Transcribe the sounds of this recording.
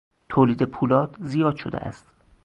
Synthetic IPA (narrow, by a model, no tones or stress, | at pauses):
t̪ʰoːliːd̪epʰuːlɒːd̪zijɒːd̪̥ʃo̰d̪ḛʔæ̰st̪